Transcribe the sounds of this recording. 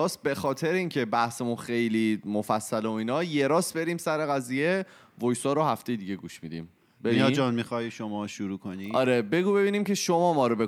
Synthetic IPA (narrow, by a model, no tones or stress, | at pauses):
ɒːsbe̞xɒːt̪ʰe̞ɾeiːŋcʰe̞bæhsemunxe̞jlimofæsːæleoiːnɒːje̞ɾɒːsbe̞ɾimsæɾe̞ɣæziːje̞ | vojsɒːɾohæft̪e̞jed̪iːɟe̞ɡuʃmid̪ḭːm | bebiɒd͡ʒɒːnmixɒːjʃomɒːʃuɾuːkʰoniɒːɾebe̞ɡuːbe̞biːniːmcʰe̞ʃomɒːmɒːɾobe̞